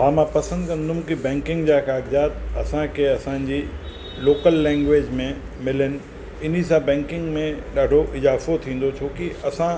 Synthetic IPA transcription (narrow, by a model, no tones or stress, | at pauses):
ɦãːmãːpɐsə̃nd̪kɐ̃nd̪ʱʊʊ̃kibɛ̃ːŋkɪ̃ŋɡd͡ʑaːkaːɡzaːt̪ɐ̰sãkʰeɐsãːɪ̃ɲd͡ʑiː | loːkəlːɛ̃ːŋɡʋeːd͡ʑmẽ | mɪlənɪ̆ | ɪn̤is̬ãbɛ̃ːŋkɪ̃ŋɡmẽɗaːɖʱoʔɪzaːfot̪ʰĩːn̆d̪ot͡ɕʰoːkiʔɐsã